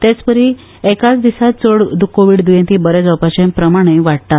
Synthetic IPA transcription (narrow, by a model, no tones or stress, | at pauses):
t̪et͡spəɾi | ekat͡sd̪isat̪t͡soɽd̪ukːoʋiːɽd̪ujẽnt̪iːbəɾɛd͡zɔpat͡ɕẽmpɾəmaɽ̃ẽʋaɽ̚t̪a